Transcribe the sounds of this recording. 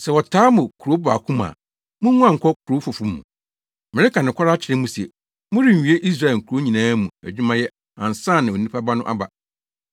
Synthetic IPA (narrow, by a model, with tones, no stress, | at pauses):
sɛ˨wɔ˨tʰaː˦mʊ̃˨kʰu˨ɾo˦ba̰˨kʰʊ̃˦mã̰ː˨ | mʊ̃˦nũ˦ã˨ŋ̩˨kʰɔ˦kʰu˨ɾo˦fʊ˨fu˦mːṵ̃˨ | mɪ̃˨ɾɪ˦ka˨nɪ̃˨kʷʰa˦ɾa˦t͡ɕʰɪ˨ɾɪ̃˦mũ˦si˨e˨ | mʊ̃˦ɾĩ˨m̩˨ɥi˨˦e˦ʔi˦s̬ɾa˦ɛ˨ŋ̩˨kʰu˨ɾo˦ɲĩ˨nãː˦mũ˨æ̰˨d͡ʑᶣu˦mã˦jɛ˦ | ã˨n˨sãː˦˨nɪ̃˨o˨nĩ˦pʰa˦ba˦nʊ̃˦ʔa̰˦ba̰˨